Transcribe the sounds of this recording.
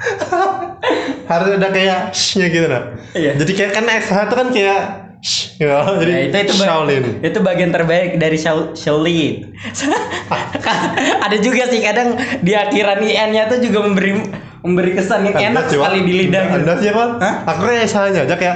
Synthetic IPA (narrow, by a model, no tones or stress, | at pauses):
haɾʊsadakajaʔʃɲaɡit̪unaijad͡ʒadikajakənasaɦat̪ukankajaʔ | ʃɡad͡ʒadiit̪uit̪uʃbalɪnit̪ubaɡiant̪ərbaɪk̚daɾiʃaʃəlin | s | kaadad͡ʒuɡasɪhkadaŋdiakiɾaniɛnɲat̪ud͡ʒuɡaməmbəɾi | məmbəɾikəsanjaenak̚əkalidilidahɡindaɲapaəakukanesahaɲad͡ʒakaja